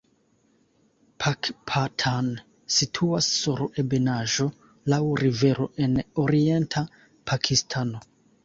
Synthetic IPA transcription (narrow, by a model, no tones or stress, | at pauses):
pʰakpʰatʰan | sitʰuasːuɾe̞benaʒo̞ | lawɾive̞ɾo̞̰ʔe̞noɾie̞ntʰa | pʰakʰistʰano̞